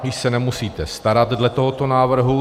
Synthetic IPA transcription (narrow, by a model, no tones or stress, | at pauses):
jɪʃsɛnɛmusiːt̪ɛst̪aɾat̪dlɛt̪o̞ɦo̞t̪o̞naːvr̩ɦu